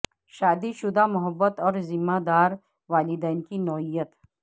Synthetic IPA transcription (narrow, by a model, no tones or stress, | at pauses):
ʃad̪iʃud̪amɔɦabːat̪ɔɾzimːad̪aɾ | valid̪ankinɔhijat̪